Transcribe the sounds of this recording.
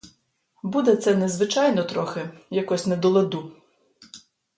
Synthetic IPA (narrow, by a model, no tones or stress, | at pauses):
bud̪ɛt̪sɛnɛzʋɪt͡ʃɑjnɔt̪ɾɔxɪjɐkɔsʲnɛd̪ɔlˠed̪u